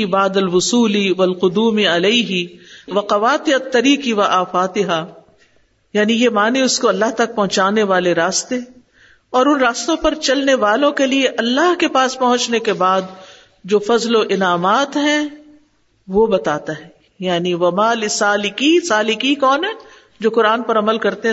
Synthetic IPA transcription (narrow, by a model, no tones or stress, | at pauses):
ibaːd̪ɐlwʊsuːliʋɐlqʊd̪uːmiɐleiɦɪʋɐqɐʋaːt̪ɪɐt̪ːɐɾiːqiʋɐʔaːfaːt̪ɪɦa | jaːnijemaːneʊskoɐlːaɦt̪ɐk̚pɐɦʊ̃t͡ʃaːneʋaːleɾaːst̪e | ɔːɾʊnɾaːst̪õpɐɾt͡ʃɐlneʋaːlõkelieʔɐlːaɦkepaːspɐɦʊ̃t͡ʃnekebaːd̪̚ | d͡ʒoːfɐzloʔɪnaːmaːt̪ɦɛ̃ | ʋobɐt̪aːt̪aɦɛ | jaːniʋɐmaːlɪsaːlɪkisaːlɪkikɔːnɦɛ | d͡ʒoːqʊɾaːnpɐɾɐməlkɐɾt̪eɦ